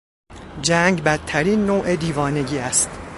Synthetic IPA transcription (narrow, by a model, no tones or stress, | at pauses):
d͡ʒæŋɡbæt̪ʰːæɾiːnːoːʔed̪iːvɒːne̞ɟiːæst̪